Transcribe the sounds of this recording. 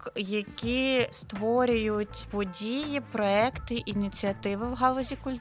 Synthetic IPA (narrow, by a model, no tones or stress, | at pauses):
kjɐkʲist̪ʋɔɾʲʊjʊtʲpɔdʲijipɾɔɛkt̪ɪʔinʲit͡sʲiɐt̪ɪʋɪwɦɑlˠɔzʲikʊlʲ